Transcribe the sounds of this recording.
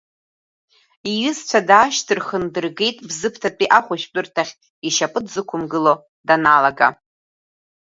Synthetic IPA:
ijʏzt͡ɕʷʰadaːʃtʰɨrχəndɨrɡe̞jtʼbzɨpʰtʰat͡pʼiʔaχʷʊʃᶣt͡pʼʊrtʰaχʲ | iʃapʼɨtʰzɨkʷʰʊmɡɨlo | danalaɡa̰

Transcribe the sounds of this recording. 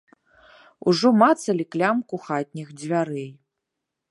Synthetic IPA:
ṵʐɔmat̪sɐlʲiklʲamkuxat̪ʲnʲixd͡zʲvʲaɾɛj

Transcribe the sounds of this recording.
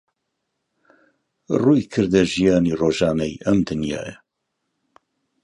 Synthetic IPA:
ruːjkʰɨɾd̪ɛʒijaːniːroːʒɑːnɛjʔɐmd̪ɨnja̰ːɛ

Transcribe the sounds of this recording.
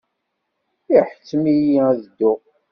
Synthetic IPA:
iħə̥t͡sːmijæðəd̪ːʊ

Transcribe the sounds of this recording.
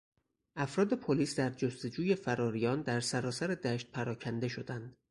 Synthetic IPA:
ʔæfɾɒːd̪e̞pʰoliːsd̪æɾd͡ʒost̪o̞d͡ʒuːje̞fæɾɒːɾijɒːnd̪æɾsæɾɒːsæɾe̞d̪æʃt̪̚pʰæɾɒːcʰænd̪e̞ʃo̞d̪ænd̪̥

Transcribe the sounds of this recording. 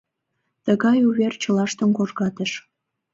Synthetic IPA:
t̪əɣɑjuβert͡ɕəlɑʃt̪ə̆nkoʒɣɑt̪əʃ

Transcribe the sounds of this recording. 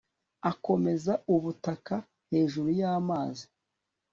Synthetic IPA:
ako̞me̞zauβutaka | he̞ːʒuɾujaːmaːzi

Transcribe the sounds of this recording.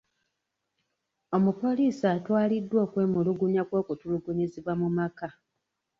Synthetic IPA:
o̞mupo̞liːsaːtwaːlidːwo̞ːkwe̞ːmuluɡuɲakwo̞ːkutuluɡuɲiziβwamumaka

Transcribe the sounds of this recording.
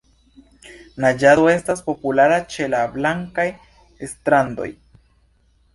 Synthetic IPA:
nad͡ʒado̞e̞staspo̞pulaɾat͡ʃe̞lablaŋkaj | estɾando̞̰j

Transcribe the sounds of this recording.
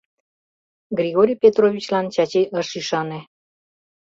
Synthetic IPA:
ɡrʲiɣoɾʲijpʲet̪rovʲit͡ɕlɑnt͡ɕɑt͡ɕeʔəʃiʃɑne

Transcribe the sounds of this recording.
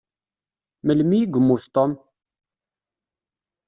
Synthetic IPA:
məlmijɡʷəmːuθt̪ˤom

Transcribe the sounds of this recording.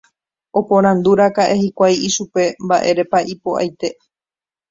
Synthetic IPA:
o̞põ̞ɾ̃ãnd̪uɾakaʔe̞hikʷajiʃupe̞mbaʔe̞ɾe̞paʔipo̞a̰jt̪e̞

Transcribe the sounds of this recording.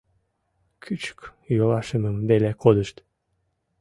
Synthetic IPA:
kʰyt͡ʃy̥kjolˠɑʃɯmɯmbelɛkʰod̪ɯʃt̪

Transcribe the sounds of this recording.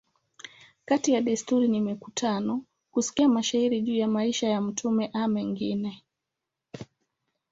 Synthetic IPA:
katijaɗistuɾinimikutʰanɔ | kusi̥kiamaʃaiɾiʄuːjamaiʃajam̩tʰumɛʔamɛŋɡinɛ

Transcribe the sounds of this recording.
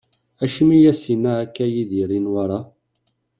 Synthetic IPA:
æʃmijæsinæːkːæjiðiɾinwaɾˤɑ

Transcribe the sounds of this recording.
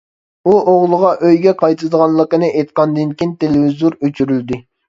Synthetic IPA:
uʔoʁlˠəʁɑʔøjɡʲɛqʰɑjt̪ʰɨd̪əʁɑnlˠəqənɨʔejt̪̚qɑnd̪ɪnkʲint̪ʰelevizoɾøt͡ʃʰyɾyld̪ɪ

